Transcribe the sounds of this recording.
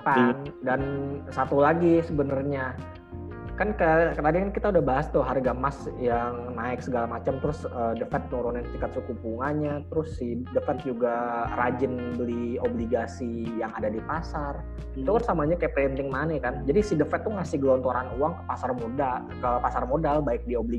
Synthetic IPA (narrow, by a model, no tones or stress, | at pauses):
pandansat̪ulaɡisəbənərɲa | kankəkənadikankit̪audahbaɦast̪ʊɦarɡamasjaŋnaɪksəɡalamat͡ʃamt̪əɾʊsəːdəfɛt̪̚nɔɾonant͡ʃikat̪̚sukupuŋanɲat̪əɾʊsːidəfɛt̪̚d͡ʒuɡarad͡ʒɪnbəliobliɡasijaŋadadipasar | t̪ukansamaɲakajapent̪ɪŋmanəkand͡ʒadisidəfɛt̪ːʊŋasɪhɡəlɔnt̪oɾanuwaŋkə̥pasarmoda | kəpasarmodalbaɪk̚diobli